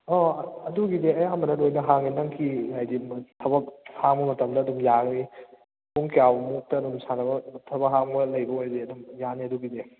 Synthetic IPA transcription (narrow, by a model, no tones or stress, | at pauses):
ɔɐduɡideɐjamɐnɐlojnɐɦaŋinaŋkʰinajditʰɐbɐk̚haŋbɐmɐtɐmdɐːdumjaŋni | pʰuŋkjawmuk̚tɐːdumsanɐbɐtʰɐbɐkɦaŋbɐlɐjbɐojdeɐdumjaniɐduɡide